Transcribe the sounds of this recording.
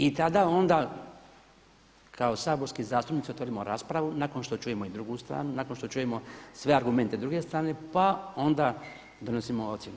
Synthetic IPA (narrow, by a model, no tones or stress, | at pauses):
it̪ad̪ao̞nd̪a | kʰaosaːbo̞ɾskizaːst̪upnit̪siot̪ʋo̞ɾimo̞ɾaːspɾaʋunako̞nʃt̪ot͡ʃuːjemo̞id̪ɾuɡust̪ɾa̰ːnunakonʃt̪o̞t͡ʃuːjemo̞sʋe̞aɾɡume̞nt̪ed̪ɾuɡe̞st̪ɾaːne̞pao̞nd̪a | d̪o̞nosimoot̪sjenu